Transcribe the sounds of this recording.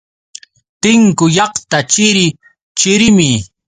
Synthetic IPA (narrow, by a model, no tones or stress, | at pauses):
t̪ɪŋkʊjɑχt̪at͡ʃɪɾɪ | t͡ʃɪɾɪmɪ